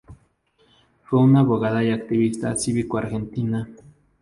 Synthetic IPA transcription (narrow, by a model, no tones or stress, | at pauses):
feunaβoɣaðajakt̪iβist̪a̰siβikoaɾxent̪ina